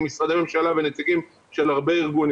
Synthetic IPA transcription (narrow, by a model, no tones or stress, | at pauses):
misʁad̪eme̞mʃalavenet͡siɡim | ʃelhaʁbeiʁɡun